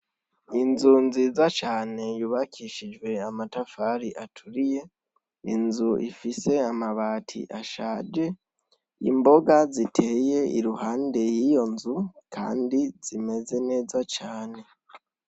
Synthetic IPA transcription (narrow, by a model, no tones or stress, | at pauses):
inzunziːzat͡ʃaːne̞juβakʰiʃid͡ʒɡwe̞amatafaɾiʔatʰuɾije̞ | ḭnzuʔḭfise̞amaβaːtʰḭʔaʃaːd͡ʒe̞ | ḭmbo̞ɡazitʰe̞ːje̞iɾuɦaːnde̞jijo̞nzukʰa̰ːndiz̥ime̞ze̞ne̞ːzat͡ʃaːne̞